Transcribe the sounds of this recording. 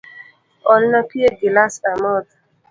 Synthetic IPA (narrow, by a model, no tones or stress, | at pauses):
ɔlnapieɡilasamɔt̪